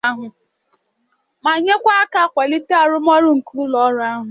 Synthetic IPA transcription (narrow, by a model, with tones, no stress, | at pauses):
a˦ɦʊ˨ | ma˨ɲe˦kʷa˦a˦ka˦˨kʷa˨li˦te˦a˨ɾʊ˦m˦ɔ˦ɾʊ˦ŋ̩˨ku˦u˦lɔ˨˦ɾʊ˦a˦ɦʊ˨